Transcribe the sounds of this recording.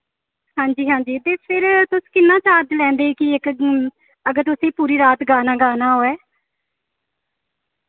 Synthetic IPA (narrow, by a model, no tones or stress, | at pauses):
hãːɲd͡ʒiːɦãːɲd͡ʒiːt̪eːpʰɪɾt̪ʊskɪnːãːt͡ʃaːɾd͡ʒ̪lɛ̃ːnd̪eːkɪɪk | əɡəɾt̪ʊsẽːpuːɾiːɾaːt̪ɡaːnaːɡaːnaːɦoːɛː